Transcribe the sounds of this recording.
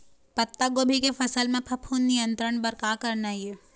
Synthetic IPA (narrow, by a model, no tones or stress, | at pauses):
pɐt̪ːaɡoːbʱikefɐsəlmẽpʰɐpʰuːnːɪjə̃nt̪ɾəɳ̃bɐɾkaːkɐɾnajie